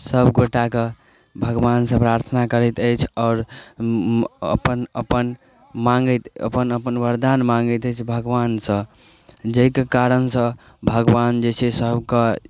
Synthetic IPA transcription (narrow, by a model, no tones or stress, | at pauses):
səbɡoʈake | bʱəɡʋansə̃pɾaɾt̪ʰənakəɾɛt̪əjt͡ʃʰɔʊɾ | ə̰pənə̰pən | maŋɡət̪ə̰pənəpənbəɾd̪anmãŋɡət̪əjt͡ʃʰbʱəɡʋansə̃ | d͡ʒəikekaɾənsə̃ | bʱəɡʋand͡ʒet͡ʃʰesəbkə